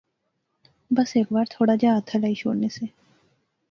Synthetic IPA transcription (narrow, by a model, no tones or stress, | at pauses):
bəseːkbaɾt̪ʰoːɽad͡ʑaat̪ʰalaiʃo̰ɽnese